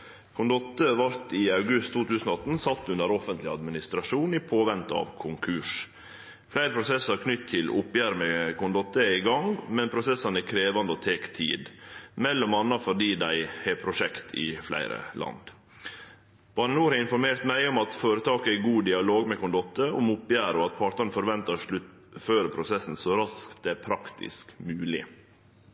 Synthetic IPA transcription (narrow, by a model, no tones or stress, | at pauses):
kʰʊnd̪ɔt̪ːəʋɑɾt̪ɪɑʉɡʉst̪ʰːuːt̪ʰʉːsənɔɑt̪ːn̩sɑt̪ːʉnd̪əɾɔfənt̪lɪɑ̰d̪mɪnɪst̪ɾɑʂuːnipʰoːʋɛnt̪ɑ̰ʋkʰʊŋkʰʉʂ | flæɪɾəpʰɾʊsɛsɑɾkʰnʏt̪ʰːɪlʊpjæɾmɛkʰʊnd̪ɔt̪ːəɛɪɡɑŋmɛnpʰɾʊsɛsːɑnɛkʰɾeːʋɑnd̪əoːt̪ʰeːkt̪ʰḭːd̪mɛlːɔmɑnːɑfɔɖiːd̪æɪhɛpʰɾʊʂɛkt̪ʰɪ̰flæ̰ɪɾə̰lʔɑ̰nd̪ | b̥ɑnənuːɾhɑɾɪnfɔɾmeːɾt̪mæɪɔmɑt̪foːɾət̪ʰɑːkəæɡuːd̪ɪɑloːɡmɛkʊnd̪ɔt̪ːəʊmʊpjæːɾɔɑt̪̚pʰɑʈ̪ɑnfɔɾʋɛnt̪ɑʂɭʉt̪ | føːɾəpʰɾʊsɛsn̩sɔɾɑskt̪̚d̪ɛæɾpʰɾɑkt̪ʰɪ̰skmʉːlɪ̰